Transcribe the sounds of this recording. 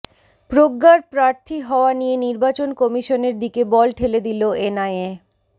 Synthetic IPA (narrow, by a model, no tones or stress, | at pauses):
pɾoɡːaɾpɾaɾt̪ʰiɦɔoanijeniɾbat͡ɕonkɔmiʃoneɾd̪ikebɔlʈʰeled̪iloenaje